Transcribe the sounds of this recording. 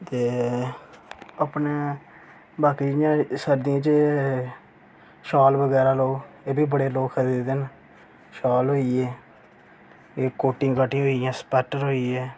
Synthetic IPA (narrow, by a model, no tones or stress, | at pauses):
t̪eː | əpneː | baːkiːd͡ʒɪjãːsəɾd̪ijãːt͡ʃ | ʃɔːlbəɡɛːɾaːloːɡ | eːbiːbəɽeːloːkʰəɾiːd̪d̪eːn | ʃɔːlɦoːiɛː | eːkoːʈɪ̃ːkaːʈːĩɦoːijãːspɛːʈəɾɦoːiɛː